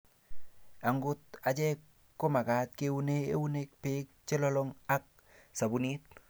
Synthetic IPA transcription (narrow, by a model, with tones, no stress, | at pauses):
a˨ŋɡʊ˦t̚a˨t͡ʃɛ˦kː | o˦ma˨ka˨t̚ke˦u˦ne˦ḛ˦wu˦ne˦k̚pɪ˦k̚t͡ʃe˦lɔ˦lɔ˦ŋa˦k̚ | sa˨bu˨ni˦t̚